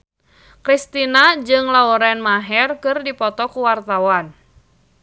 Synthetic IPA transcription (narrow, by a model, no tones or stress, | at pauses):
kɾist̪inad͡ʒɨŋlauɾɛnmaɦɛrkɨrdipɔt̪ɔkuwart̪awan